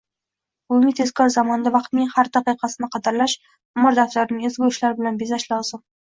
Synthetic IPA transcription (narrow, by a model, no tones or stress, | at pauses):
bʊŋʲɪt̪ʰe̞z̥kʰɒɾzamɒnd̪avɑqt̪nɪŋhaɾd̪aqɨjqʰɑsɪnɪqʰɑd̪ɪɾlaʃ | ʊmɒɾd̪aft̪aɾnɪŋezɡʲʊɪʃlaɾbɪlanbezaʃlɒzɪm